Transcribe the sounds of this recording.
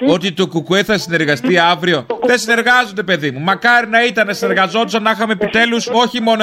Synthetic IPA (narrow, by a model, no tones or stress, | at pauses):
o̞t̪it̪okukueθɐsine̞ɾɣɐst̪iɐvɾio̞ðe̞sine̞ɾɣɐzond̪e̞pe̞ðimumɐkɐɾinɐit̪ɐnesine̞ɾɣɐzo̞t̪usɐnɐxɐmepit̪e̞luso̞çimo̞no